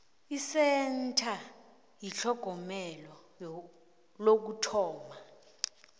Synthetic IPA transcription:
isɛntʰa | jiɬɔɡ̥ʱɔmɛlɔ | lok̬utʰɔːma

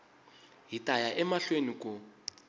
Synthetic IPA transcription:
ɦitʼajaʔɛmaɬwenikʼʊ

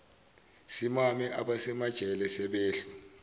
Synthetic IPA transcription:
simamɛʔaɓasɛmad̥ʒ̥ʱɛlɛsɛɓeːɬu

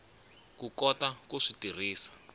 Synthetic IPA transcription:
kukɔtakuʂitir̤iːsḁ

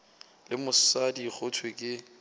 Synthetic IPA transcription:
lɪmʊssadik͡xʰʊtʰwekʼɪ

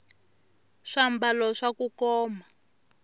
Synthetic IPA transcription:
ʂambalɔʂakukɔːma

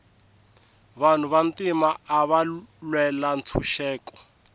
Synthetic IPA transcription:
βan̤uβantimaːβalwɛlant͡sʰuʃɛːkɔ̥

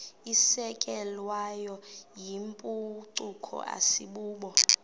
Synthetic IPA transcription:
isɛkʼɛlwajɔjimpʼuǀukʰɔ̰ʔa̰siɓuːɓɔ

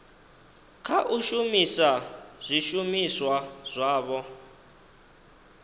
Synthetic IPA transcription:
kʰaʔuʃumisaz̥ʷiʃumiswaz̥ʷaːβɔ

